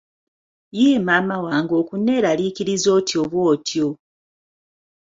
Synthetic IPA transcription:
jiːmaːmawaːŋɡo̞kunːe̞ːɾaliːkiɾizo̞ːtjo̞βwoːtʰjo

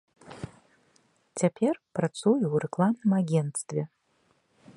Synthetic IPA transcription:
tʰʲepʰʲerprat͡sujuwrɛklˠamnɨmaɡʲent̪st̪vʲe

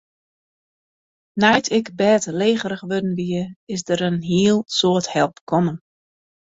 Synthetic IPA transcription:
najtʰɪkbɛːtleːɣəɾəχʋødn̩ʋiəɪsdəɾənɦiəlˠsoəthɛlˠpkʰɔmən

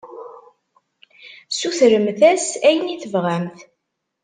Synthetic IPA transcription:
suθɾəmθæsæjəniθəvʁæmθ

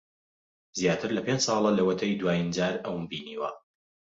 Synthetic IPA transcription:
zjaːt̪ʰɨɾlɐpend͡ʒsˤɑːlˠɐlɐwɐt̪ʰɐjd̪waːjind͡ʒaːɾɐwnbiːniːwɐ̰

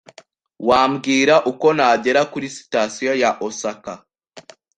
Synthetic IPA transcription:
waːmbɡiːɾaʔuko̞naːɟe̞ɾakuɾisi̥tasijo̞jaʔosaka

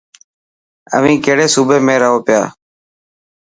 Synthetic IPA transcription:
ə̰ʋĩːkeːɽeːsuːbeːmẽːɾəɦoːpɪja̰ː

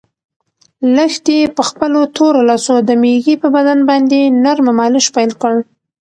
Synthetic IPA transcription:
ləxt̪epəxpəlot̪ʰoɾolɑsod̪əmeɣipəbad̪anbɑnd̪enaɾmamɑlɪʃpajlkəɽ

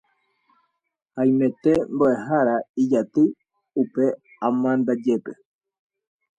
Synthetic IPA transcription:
haj̃mẽ̞t̪e̞mboʔeɦaɾaid͡ʒat̪ɨ | upe̞ | ãmãnd̪ad͡ʒe̞pe̞

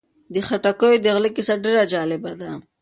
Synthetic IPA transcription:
d̪əxaʈakojod̪əɣlikɪsaɖeɾad͡ʒɑlɪbad̪a

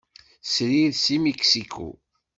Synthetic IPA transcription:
sɾiðsimiksikʰṵ

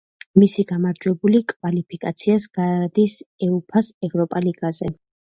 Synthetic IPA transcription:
misiɡamaɾd͡ʒwɛbulikʼvalipʰikʼat̪sʰiasɡ̥ad̪isɛupʰasɛvɾɔpʼaliɡ̥azɛ

